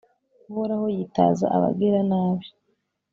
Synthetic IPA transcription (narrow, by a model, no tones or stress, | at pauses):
uhoɾahojiːta̰ːza̰ʔaβa̰bɡiɾanaːβi